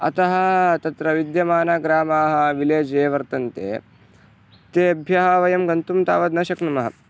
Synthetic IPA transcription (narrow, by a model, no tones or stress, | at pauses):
ɐ̰t̪ɐɦɐ̆t̪ɐt̪ɾɐʋid̪jɐmaːnaːɡɾaːmaːɦɐ̆ʋileːd͡ʒeːʋɐɾt̪ɐnt̪ḛː | t̪eːɐbʱjɐɦɐʋɐjɐmɡɐnt̪umt̪a̰ːʋɐd̪nɐʃɐknɐmɐɦɐ̰